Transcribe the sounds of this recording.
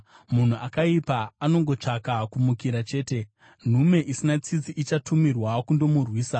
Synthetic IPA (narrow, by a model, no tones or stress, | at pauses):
mun̤uʔakaipaːno̞ŋɡo̞t͡ʂakakumukiɾat͡ʃe̞ːte̞ | n̤ume̞ʔisinat͡sid͡ziʔit͡ʃatumirwakundo̞murwiːsa